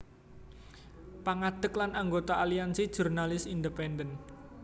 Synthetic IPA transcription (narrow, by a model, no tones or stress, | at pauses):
paŋad̪̥əklanaŋɡot̪aʔaliansid̥ʒ̥urnalɪsind̪əpɛndən